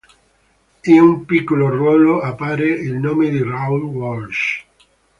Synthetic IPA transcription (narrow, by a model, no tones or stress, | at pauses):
inumpikːolorwɔːloapːaːɾeilnoːmed̪irawlwɔlʃ